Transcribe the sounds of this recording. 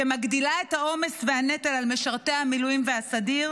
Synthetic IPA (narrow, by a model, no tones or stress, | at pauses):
emaɡd̪ilae̞thao̞me̞svehanet̪elalmeʃaʁt̪e̞jhamilujimvehasadiʁ